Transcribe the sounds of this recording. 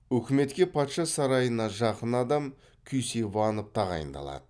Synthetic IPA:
ɵkʲɪme̞t̪kʲe̞pʰɑt̪ʃɑsɑɾɑjənɑʒɑqənɑd̪ɑm | kʲʰʏjsejbɑnəp̚t̪ʰɑʁɑ̰jə̰nd̪ɑ̰lˠɑ̰d̪ə

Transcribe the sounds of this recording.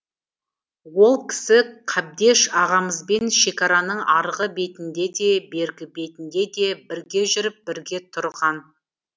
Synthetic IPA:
wo̞lˠkʲʰɪ̥sɪqʰɑb̚d̪e̞ʃɑʁɑməzbe̞nʃe̞kʲɑɾɑnəɴɑɾʁəbe̞t̪ɪnd̪e̞d̪e̞be̞ɾɡʲɪbe̞t̪ɪnd̪e̞d̪e̞bɪɾɡʲe̞ʒʏɾɪp̚bɪɾɡʲe̞t̪ʰʊɾʁɑn

